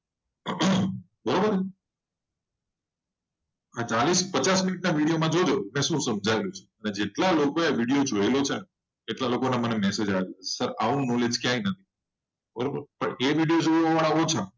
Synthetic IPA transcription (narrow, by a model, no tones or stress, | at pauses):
bəɾobəɾ | at͡ʃalispət͡ʃasminiʈnaʋiɽijomãd͡ʒod͡ʒomẽʃũsəmd͡ʒʱaelũt͡ʃʰe̥əned͡ʒeʈlalokoeaʋiɽijod͡ʒoelot͡ʃʰen | eʈlalokonemənemɛsed͡ʒaʋeusəɾaʋũnɔled͡ʒkjãinət̪ʰi̥ | bəɾobəɾpəɳeʋiɽijod͡ʒoʋʋaʋaɭaot͡ʃʰa